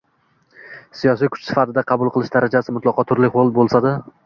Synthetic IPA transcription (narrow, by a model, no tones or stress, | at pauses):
sijɒsijkʰʊ̥t͡ʃsɪ̥fat̪ʰɪd̪aqʰɑbʊlˠqʰɨlˠɪʃd̪aɾʔad͡ʒasɪmʊt̪lˠɒqʰɒt̪ʰʊɾlɪʁolˠbolˠsad̪ɪ